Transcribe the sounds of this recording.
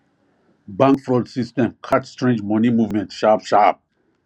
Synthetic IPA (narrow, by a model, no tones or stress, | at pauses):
bãŋkfɾoːlɖsisʈẽmkʰaʈsʈɾẽnd͡ʒmɔnimuːvmẽntʃaːpʃaːp̚